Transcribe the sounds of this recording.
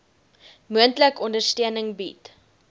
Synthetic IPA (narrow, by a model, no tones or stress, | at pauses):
muəntləkɔndərstøənəŋbit